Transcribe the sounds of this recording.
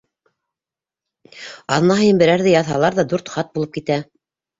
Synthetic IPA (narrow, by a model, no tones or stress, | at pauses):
ɑðnɑɦɤjɘmbɘ̆ɾæɾðɘjɑðɦɑ̰lˠɑɾðɑd̪uɾt̪χɑt̪̚bulˠɤpkit̪æ